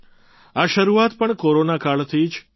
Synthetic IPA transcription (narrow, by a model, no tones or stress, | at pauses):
aʃəɾuat̪pəɳkoɾonakaɭt̪ʰid͡ʒ